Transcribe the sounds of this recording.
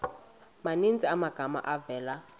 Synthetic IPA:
manint͡sʼiamaɡ̥ʱama̰ʔavɛːla

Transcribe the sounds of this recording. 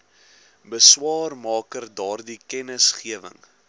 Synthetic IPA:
bəswɑːrmɑːkərdɑːrdikɛnəsχiəvə̰ŋ

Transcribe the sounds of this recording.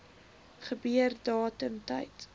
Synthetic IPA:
χəbyərdɑːtəmtɐ̰jt

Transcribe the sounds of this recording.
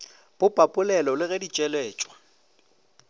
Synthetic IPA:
b̥ʊpʼapʼʊlɛlɔlɪɣɛdit͡ʃʼɛlɛːt͡ʃʼwḁ

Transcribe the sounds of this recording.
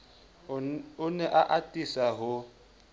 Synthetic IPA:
ʊnɛʔaʔatʼisaɦʊ

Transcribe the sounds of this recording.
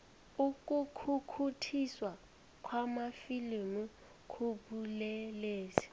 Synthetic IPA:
uk̬ʼukʰukʰutʰiswa | kʰwamafilimu | kʰuɓulɛleːzi̥

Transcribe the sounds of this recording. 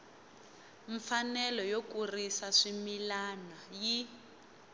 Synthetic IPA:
ɱfanɛlɔjokurisaʂimilanaji

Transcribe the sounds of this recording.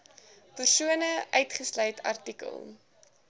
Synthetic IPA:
pərsuənəʔœɥtχəslœjtʰɐ̰rtikə̰lˠ

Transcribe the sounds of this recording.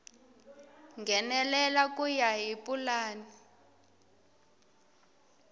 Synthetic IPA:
ŋɡʱɛnɛlɛlak̬ʼujaɦipʼulaːni

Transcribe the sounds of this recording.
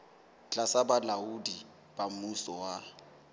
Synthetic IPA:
t͡ɬʼasabalaudi | b̥am̩musɔwa

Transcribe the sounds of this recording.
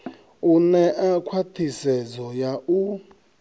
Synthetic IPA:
unɛʔakʰwatʰisɛd͡zɔjaʔu

